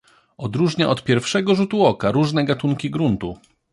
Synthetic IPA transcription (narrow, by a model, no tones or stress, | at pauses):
ɔd̪ɾuʐɲaʔɔt̪pʲjɛɾfʂɛɡɔʐut̪uɔkaɾuʐnɛɡat̪uŋkʲiɡɾunt̪u